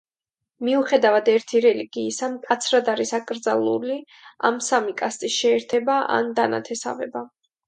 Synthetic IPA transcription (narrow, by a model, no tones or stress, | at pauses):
miuχɛd̪avad̪ɛɾt̪ʰiɾɛliɡiːsamkʼat̪sʰɾad̪aɾisakʼɾd̪zalˠuli | a̰msamikʼast̪ʼisʃɛːɾt̪ʰɛbaʔa̰nd̪ana̰t̪ʰɛsa̰vɛ̰ba